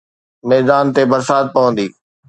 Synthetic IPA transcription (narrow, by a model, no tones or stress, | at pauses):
mɛːd̪aːnt̪ebɐɾsaːt̪̚pɐʋə̃nd̪iː